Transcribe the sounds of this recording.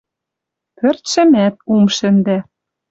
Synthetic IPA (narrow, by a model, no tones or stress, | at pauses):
pø̆rt̪ʃɘ̆mæt̪̚umʃɘ̆nd̪æ